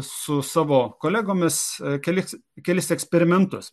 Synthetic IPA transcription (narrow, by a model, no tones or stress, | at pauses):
sʊsɑːʋoːkoːlʲæːɡoːmʲɪskʲɛlʲɪskʲɛlʲɪsɛksʲpʲɛɾʲɪmʲɛnt̪ʊs